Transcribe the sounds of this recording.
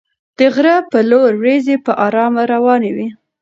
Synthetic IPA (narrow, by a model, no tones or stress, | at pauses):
d̪̥əɣɾapəloɾwɾezepəʔɑɾɑmaɾawɑnewi